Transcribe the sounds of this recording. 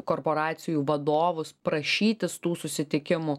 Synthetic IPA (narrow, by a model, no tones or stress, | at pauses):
koːrpoɾɑːt̪sʲɪjuːʋɐd̪oːʋʊspɾɐʃʲiːt̪ʲɪst̪uːsʊsʲɪt̪ʲɪkʲɪmʊ